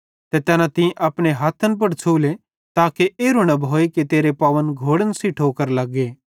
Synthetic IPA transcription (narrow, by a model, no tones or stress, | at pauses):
t̪et̪ɛːnãt̪ɪ̃ʔɐpɽ̃eɦaːt̪ʰənp̬ɐɽt͡ʃʰuːle | t̪aːkeʔeːɾʊñɐboːeket̪eːɾepaːʋənɡʱoːɽənsiʈʰoːkəɾlɐɡeː